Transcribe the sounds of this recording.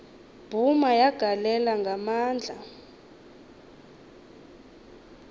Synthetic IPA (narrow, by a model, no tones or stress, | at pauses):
b̥ʱumajaɡ̥ʱalɛlaŋɡʱamaːnd͡ɮʱa